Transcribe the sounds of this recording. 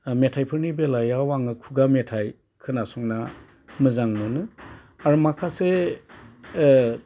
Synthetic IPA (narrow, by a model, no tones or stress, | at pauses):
metʰajpʰɯɾnibelajawaŋɯkʰuɡametʰaj | kʰɯnasuŋna | mɯzaŋnɯnɯ | aɾumakʰase